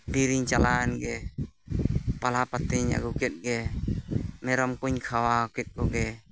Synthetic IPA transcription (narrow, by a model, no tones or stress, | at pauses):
biɾiŋt͡ʃalanɡɛ | palapat̪iɲa̰ɡukɛt̪̚ɡɛ | mɛɾɔmkuɲkʰawakɛt̪̚kɔɡɛ